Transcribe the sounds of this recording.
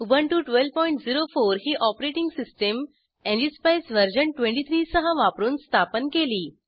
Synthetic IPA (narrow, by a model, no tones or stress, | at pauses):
ubʱəɳʈuːʈʋelpɔiɳʈd͡ziɾofoɾɦiːʔɔpɾeʈiŋɡsisʈəm | ẽnɖispajsʋəɾd͡ʑəɳʈʋẽɳʈit̪ʰɾiːsəɦəʋapɾuːnst̪ʰapənkeliː